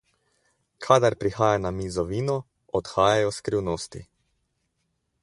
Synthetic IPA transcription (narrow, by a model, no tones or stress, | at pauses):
kʰad̪aɾpɾixaːjanamizɔʋiːnɔ | ɔt̪xaːjajɔskɾiwnoːst̪ḭ